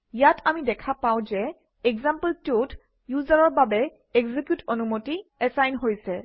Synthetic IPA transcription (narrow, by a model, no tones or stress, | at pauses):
jatʰamidɛkʰapaw̃zɛ | ɛɡzampəltot | juzaɹɔɹbabɛ | ɛɡzikjutonumotiɛsajnɦojsɛ